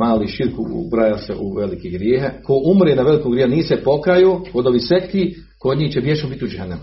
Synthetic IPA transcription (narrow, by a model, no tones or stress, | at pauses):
maːliːʃiɾkṵbɾaːjaseʔuʋelikiɡɾjeːɦakoʔumɾenaʋelikoːɡɾjehuniːsepo̞kɾajoːkod̪oʋiːsʋet̪kiː | kod̪ɲiːht͡ɕebjeʃombit̪iud͡ʒehenam